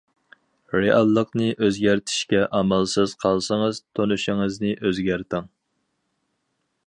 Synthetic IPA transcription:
ɾeʔɑlˠːəqnɨʔøzɡʲæɾt̪ʰɪ̥ʃkʲɛʔɑmɑlˠsɨz̥qʰɑlˠsəŋəz̥t̪ʰonuʃɪŋɨznɨʔøzɡʲæɾt̪ʰɪŋ

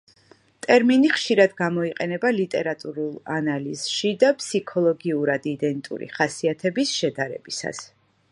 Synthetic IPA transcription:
t̪ʼɛɾminiχʃiɾad̪ɡamɔiqʼɛnɛbalit̪ʼɛɾat̪ʼuɾulˠanaliz̥ʃid̪apʰʼsikʰɔlˠɔɡiuɾad̪id̪ɛnt̪ʼṵɾḭχasiat̪ʰɛbisʃɛd̪aɾɛ̰b̥isa̰s

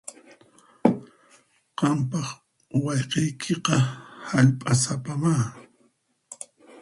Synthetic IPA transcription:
qɑmpɑχ | wɑʎqɑjkʰeqɑhaʎpʼasapamaː

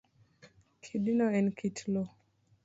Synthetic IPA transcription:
kʰidinɔɛnkʰitʰlo

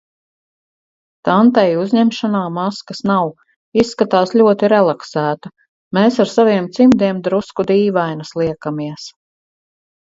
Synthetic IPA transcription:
t̪ant̪ɛjuzɲɛmʃanaːmaskasnaw | isːkat̪aːsʎʲuɔt̪iɾɛlˠaksæːt̪a | meːsaɾsaviɛmt̪simd̪iɛmd̪ɾuskud̪iːvajnɐslˠiɛkamiɛs

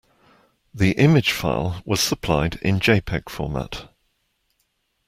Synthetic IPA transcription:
ðiʔɪmɪd̥ʒ̥fa̰ɪlˠwɒz̥səpʰl̥aɪdɪ̰̃nd͡ʒeɪpʰɛɡ̥fɔ̰ːma̰t

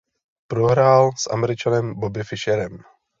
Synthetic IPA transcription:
pɾo̞ɦɾaːlsʔa̰mɛɾɪt͡ʃanɛmbobɪfɪʃɛɾɛm

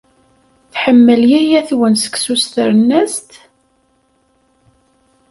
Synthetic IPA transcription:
θħəmːəljæjæθwənsə̥ksust̪əɾənːæst̪

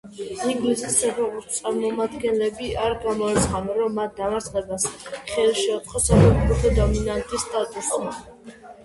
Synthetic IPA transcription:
iŋɡlisissɛpʰɛʁuist̪sʼaɾmɔmad̪ɡɛnlɛbiʔaɾɡamɔɛt̪sχavɛnɾɔmːat̪̚ʰd̪amaɾt̪sʰnlɛbasχɛlʃɛut̪χʰʼɔsɛpʰɛkuɾut̪ad̪ɔminant̪ʼisːt̪ʼat̪ʼusma

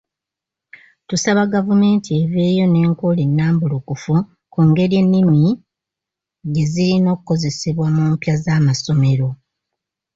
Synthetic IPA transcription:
tusaβaɡavume̞ːntʰie̞βe̞ːjo̞ne̞ːŋkulinːaːmbulukufu | kuːŋɡe̞ɾje̞nːimi | ɟe̞ziɾino̞ːkuko̞ze̞siβwamuːmpjazaːmaso̞me̞ɾo̞

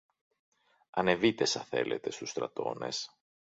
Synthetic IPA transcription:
ɐne̞vit̪e̞sɐθe̞̰lʔe̞t̪e̞st̪ust̪ɾɐ̰t̪o̞ne̞̰s

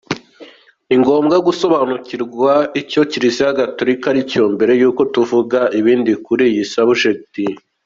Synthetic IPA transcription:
iŋɡo̞ːmɡaɡuso̞βanuciɾɡwaico̞ciɾisijaɡato̞ɾikaɾicoːmbe̞ɾe̞juːko̞tuvuɡaʔiβiːndikuɾijisaβuʃek̚ti

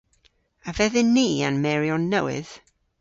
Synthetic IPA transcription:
avɛðɪnːiːa̰nmɛɹiɔnːəwɪ̰ð̥

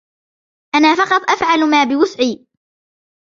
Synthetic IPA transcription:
ʔanaːfɑqɑt̪ˤʔafʕalmaːbɪwʊsʕiː

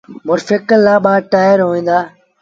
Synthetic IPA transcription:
mʊɾfekəlːaːɓaːʈaːjəɾɦoːĩːnd̪aː

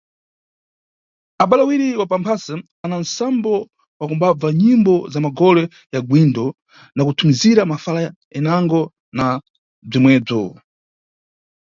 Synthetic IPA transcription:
aɓalawiɾiwapampʰasɛ | anansambɔ | wakumbab͡vaɲimbɔzamaɡɔlɛ | jaɡwindɔ | nakutʰumiziɾamafala | ɛnaŋɡɔ | na | b͡ʐimwɛːb͡ʐɔ

